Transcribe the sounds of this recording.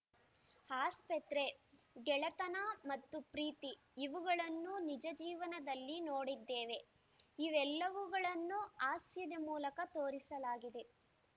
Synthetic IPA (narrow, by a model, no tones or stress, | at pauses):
haːspɐt̪ɾe̞ | ɡɛɭɐt̪ɐnɐmɐt̪ːupɾiːt̪iː | ʋuɡɐɭɐnːunid͡ʒɐd͡ʒiːʋɐnɐd̪ɐlːinoːɽid̪ːeːʋe̞ | iʋɛlːɐʋuɡɐɭɐnːuaːsjɐd̪emuːlɐkɐt̪oːɾisɐlaːɡid̪e̞